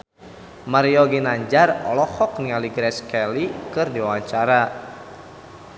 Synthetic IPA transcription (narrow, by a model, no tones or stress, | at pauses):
maɾiɔɡinaɲd͡ʒarɔ̰lɔhɔk̚nialiɡɾɛskɛlikɨrdiwawaɲt͡ʃaɾa